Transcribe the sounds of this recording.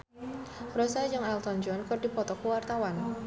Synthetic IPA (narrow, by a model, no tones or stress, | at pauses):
rosad͡ʒɨŋalt̪ɔnd͡ʒɔnkɨrdipɔt̪ɔkuwart̪awan